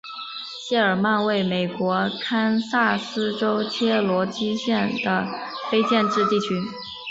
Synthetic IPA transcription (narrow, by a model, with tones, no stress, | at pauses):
ɕjɛ˥˩ə˞˨˩ma˥˧nwe˥˩ɪme˨˩ɪkwɔ˧˥kʰa˥nsa˥˩sɹ̩˥ʈ͡ʂo˥ʊt͡ɕʰjɛ˥lwɔ˧˥t͡ɕi˥ɕjɛ˥˩nd̪ə˩ | fe˥ɪt͡ɕjɛ˥˧nʈ͡ʂɻ̩˥˧t̪i˥˩t͡ɕʰy˧˥